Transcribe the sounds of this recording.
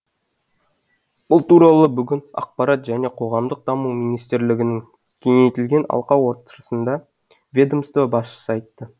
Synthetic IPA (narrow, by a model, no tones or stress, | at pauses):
b̥ʊlˠt̪uɾɑlˠəbʏɡʲɪnɑ̰q̚pɑɾɑt̪ʒæne̞qʰo̞ʁɑmd̪əq̚d̪ɑmumijnijst̪ɪɾlɪɡʲɪnɪŋ | kʲʰeŋe̞jt̪ɪlɡʲe̞nɑ̰lˠqɑwoɾt̪ə̥ʃəsənd̪ɑ | vʲed̪omst̪obɑsʃə̥səɑjt̪ːə